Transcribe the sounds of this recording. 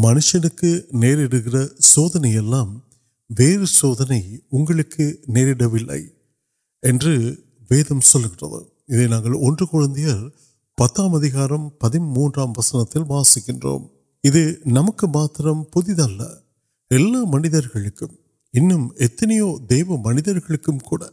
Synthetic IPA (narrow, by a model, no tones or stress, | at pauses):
mɐnɯʂɐnɯkːɯneːɾɪɽɯɣɪrɐsoːðɐnɐjɛlːaːm | ʋeːɾɯsoːðɐnɐɪʊŋɡɐɭɯkːɯneːɾɪɽɐʋɪlːɐ̰ɪ | ɛndrɯ | ʋeːðɐmsɔlːɯɣɪnrɐ̰ðɯ̰ | ɪðenaːŋɡɐɭɔndrɯkʊɻɐnd̪ɪjɐɾ | pɐt̪ːaːmɐðɪɣaːɾɐmpɐðɪnmuːndraːmʋɐsɐnɐt̪ːɪlʋaːsɪkːɪndro̰ːm | ɪðɯnɐmɐkːɯmaːt̪rɐmpʊðɪðɐlːɐ̰ | ɛlːaːmɐnɪðɐɾɣɐɭɯkːɯm | ɪnːɯmɛt̪ːɐnɪjoːd̪eːʋɐmɐnɪðɐɾɣɐɭɯkːɯmkuːɽɐ̰